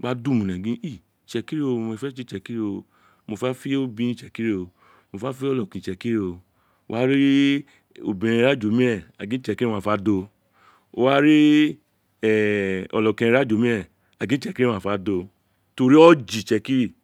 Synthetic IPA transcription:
ɡ͡ba˦du˦˨mũ˨nɛ̃˨ɡĩ˦i˦˨t͡ʃɛ˧ki˦ɾi˦o˧mɔ̃˧ɛ˧fɛ˦t͡ʃi˦t͡ʃɛ˧ki˦ɾi˦o˧ | mo˧fa˦fi˦o˦bĩ˧nĩ˦˨t͡ʃɛ˧ki˦ɾi˦o˧ | mo˧fa˦fi˦ɔ˦lɔ˨kĩ˨t͡ʃɛ˧ki˦ɾi˦o˧ | o̰˦˧wa˦ɾi˦ | o̰˧˨bĩ˨˧ɾĩ˧ɾa˦d͡ʒo˨˦mĩ˦ɛ˦˨a˨ɡĩ˨˦ɛ˧ki˦i˦ã˦˨fa˨˦do˧ | o̰˧wa˦ɾi˦ | ɛ˨ɔ̰˨lɔ˨kĩ˧ẽ˧ɾa˦d͡ʒo˨˦mĩ˦ɛ˦˨ | a˨ɡĩ˨˦t͡ʃɛ˦˧ki˦ɾĩ˦ã˦˨fa˨˦do˧ | to˧ɾi˦ɔ˦d͡ʒi˨t͡ʃɛ˧ki˦ɾi˦˨

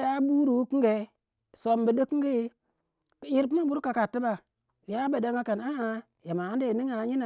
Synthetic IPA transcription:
ja˦bu˦ɾu˨wu˦ki˦ŋɡe˨ | so˨mbə˨də˦ki˦ŋɡə˦je˦ | ki˦ɾp̬i˦ma˦bu˦ɾka˨ka˨tːi˦ba˨ | ja˦ba˨da˦ŋɡa˦ka˨na˦ʔa˨ | ja˨ma˨a˦n˦de˦˨ni˦ŋa˨˦ɲi˦na˨

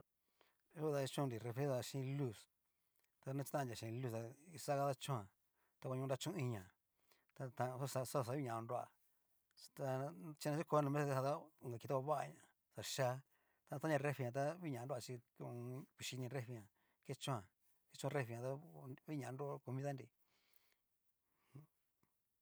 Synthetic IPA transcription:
u˦˧t̪a˧t͡ʃũ˦˧ɾi˨re˧fe˧˦a˧ʃĩ˧˦lu˦s | t̪a˧nã˧t͡ʃi̥˧ã˦˧˨dʲa˨ʃĩ˧lu˦st̪a˧i˧sa˦ɣa˧ða˦t͡ʃũ˦ã˨ | t̪a˧kʷa˧ɲũ˧ɾa˧˦t͡ʃũ˦ĩ˧ɲã˨ | t̪a˧t̪ã˧˦sa˧sa˦˧˨sa˧˦i˦ɲã˨˧ɾu˧a̰˨ | t̪a˧t͡ʃi˧nã˧˦t͡ʃi˦ko˧˦nũ˧mẽ˦se˧sa˧t̪a˦˨ŋɡa˨ki˧t̪a˦ka˧βa˦a˧ɲã˧˨ | sa˧˨ʃa˦ | t̪a˧t̪a˦ɲã˧re˦fi˧ɲã˧t̪̬a˦βi˦ɲã˨˧˦du˦˧a˧t͡ʃi˧ | u˧kʷi˨˧ʃi˧nĩ˧ɾe˦fi˧ɲã˨ | ke˦t͡ʃũ˦ã˧˨ | ke˦t͡ʃũ˦˧re˦fi˧ɲã˧t̪a˦βi˦ɲã˨˧˦du˦˧ko˧mĩ˦ða˦nɾi˧ | h

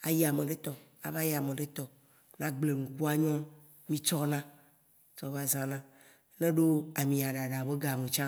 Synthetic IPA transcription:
a̰˨ji˦a˨mẽ˨ɖe˦t̪ɔ˨a̰˨va˦ji˦a˨mẽ˨ɖe˦t̪ɔ˨ | nã˦ɡ͡ble˨ŋũ˨ku˦a˦ɲɔ̃˦ | mĩ˦t͡ʃɔ˦nã˦ | t͡ʃɔ˦va˦zã˦nã˦ | nẽ˦ɖo˦a˨mĩ˨a˨ɖa˨ɖa˨be˦ɡa˨me˨t͡ʃã˦

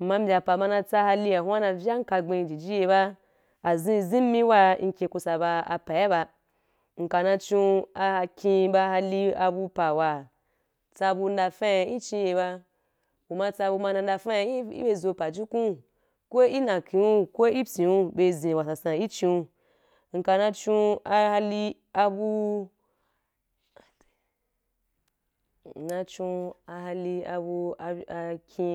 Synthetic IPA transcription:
m̩˨ma˧m̩˦bʲa˨pa˨ma˧nã˧t͡sa˧ha˧li˧a˨hʷu˦a˦nã˧vʲja˦ŋ̩˦ka˧ɡ͡bẽ˧d͡ʒi˨d͡ʒi˦je˧ba˦ | a˨zĩ˧zĩ˦m˦mĩ˦wa˧ŋ̩˧kʲẽ˧ku˧sa˧˨ba˧a̰˧pa˨ja˦ba˧ | ŋ̩˨ka˨nã˧t͡ʃĩ˧a˧ha˧kʲĩ˧ba˧ha˧li˧a˧bu˧pa˨wa˨ | t͡sa˧bu˧n̩˦da˧fa˦˧i˦t͡ʃĩ˧je˧ba˧ | wu˨ma˧t͡sa˧bu˧ma˧na˧n̩˦da˧fa˦˧˦ḭ˦be˧zo˧pa˨d͡ʒi˦kũ˦ | kʷo˦i˦nã˨ki˨u˦kʷo˦i˦pʲĩ˨wu˧be˧zĩ˨wa˨sa˨sã˨i˦t͡ʃi˧u˧ | ŋ̩˧ka˧nã˧t͡ʃũ˧˦a˧ha˧li˧ | a˧bu˧˨ | nã˧t͡ʃũ˧a˧ɦa˧li˧a˧bu˧a˧kʰʲi˧

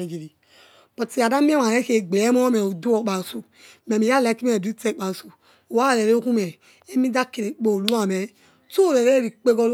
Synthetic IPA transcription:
e˨d͡ʒi˨ɾi˨ | k͡pɔ˨ti˨a˨da˦mi˦a˦ma˨ɾɛ˨˦ke˨ɡ͡be˨˦mɔ˦mɛ˨o˨do˦ɔ˨˦k͡pa˨su˨ | mɛ˨mi˨ja˦lɛ˨˦ki˦me˦ɛ˨du˦tɛ˦k͡pa˨su˨ | o˨wa˦˨lɛ˨ɾe˦o˦ku˦mɛ˨ | ɛ˦mi˦da˦ke˨ɾe˨k͡po˨lu˦a˨mɛ˨˦ | to˦˨ɾɛ˨ɾe˦ɾi˨k͡pe˦ɡɔ˦l

